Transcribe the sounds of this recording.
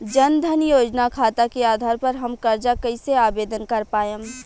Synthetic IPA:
d͡ʒɐnd̪ʱənjoːd͡ʒnakʰaːt̪akeaːd̪ʱaːɾpɐɾɦɐmkɐɾd͡ʒakəɪseaːbeːd̪ənkɐɾpaːjəm

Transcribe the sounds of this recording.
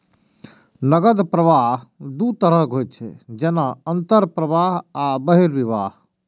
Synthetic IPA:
nəɡəd̪pɾəʋaɦd̪ut̪əɾəkɦojt̪̚t͡ʃʰɛ̰d͡ʒeːnaənt̪əɾpɾəʋaɦabəɦiɾʋiʋaːɦ

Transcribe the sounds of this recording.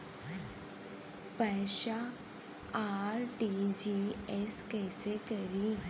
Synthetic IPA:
pɛːʃa | aːɾʈid͡ʒiɛskɛːsekɐɾi

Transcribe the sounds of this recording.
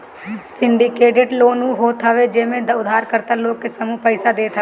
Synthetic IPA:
sɪɳɖɪkeːʈeːʈloːnũːɦoːt̪ʰaʋed͡ʒeːmẽd̪əʊd̪ʱaːɾkəɾt̪əloːkkesəmũpəɪsad̪eːt̪ʰa

